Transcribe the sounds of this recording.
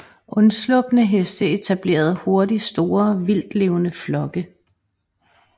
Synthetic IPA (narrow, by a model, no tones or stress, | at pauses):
ʔɔ̽nslɔ̽b̥nəɦesd̥əe̝t͡sʰæb̥le̝̰ːɐð̞ˠho̝ɐdisd̥o̝ːɐʋil̰d̥le̝ʊnəflɒ̽ɡ̥ə